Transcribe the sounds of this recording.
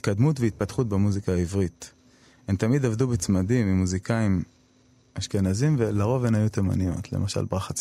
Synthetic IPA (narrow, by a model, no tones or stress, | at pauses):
it̪kad̪mut̪veit̪̚pat̪χut̪̚bemuzikaːivʁit̪ | emt̪amid̪avd̪ubet͡smadimimuzikaim | aʃkenazimvelaʁo̞venajut̪ema̰nio̞̰t̪ʰlḛmʔaʃa̰lbʁaχat͡s